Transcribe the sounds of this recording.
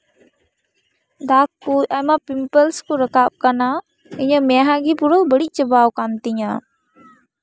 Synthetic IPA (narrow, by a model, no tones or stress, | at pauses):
d̪akːuamapimpəlskuɾəkaɓ̚kana | iɲəmɛ̃ɦãɡipuɾɔbəɽic̚ˀt͡ʃəbawkant̪iɲa